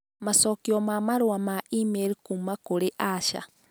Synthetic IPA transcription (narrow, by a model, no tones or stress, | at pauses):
masokiomamaɾwamaimeɾikumakuɾiʔaʃa̰